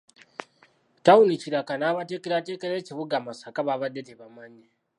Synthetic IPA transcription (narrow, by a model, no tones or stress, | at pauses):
tauniciɾakanaβateːkeɾate̞ːkeɾeːciβuɡamasakaβaβadeteβamaɲe